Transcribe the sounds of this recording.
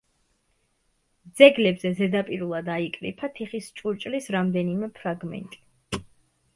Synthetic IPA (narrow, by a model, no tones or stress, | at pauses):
d̪z̥ɛɡlɛbzɛzɛd̪apʼiɾulˠad̪aikʼɾḭpʰat̪ʰiχist͡ʃʼuɾt͡ʃʼlisɾamd̪ɛnimɛpʰɾaɡmɛ̰nt̪ʼi̥